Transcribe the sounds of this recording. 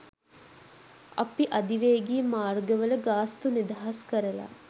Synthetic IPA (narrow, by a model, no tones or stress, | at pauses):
ɐ̰piʔɐd̪iʋeːɡiːmaːrɡəʋələɡaːst̪unid̪aɦɐskəɾɐla̰ː